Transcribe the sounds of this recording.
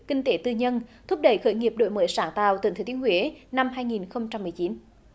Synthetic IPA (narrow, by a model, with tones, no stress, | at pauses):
kï˧ŋ̟t̪e˨˦t̪ɨ˧ɲə˧nt̪ʰu˦˥p̚ɗə˧˩jxəː˧˩jŋi˨˩əp̚ɗo̰˧˨jməː˨˦jsaː˧˩ŋt̪a̰ː˧˨wt̪i˨˩ŋt̪ʰe˨˦t̪i˨˦nhwi˨˦na˧mɦaː˧jŋi˨˩nxə˧wŋ͡mt͡ɕa˧mːɨ˨˩əjt͡ɕi˨˦n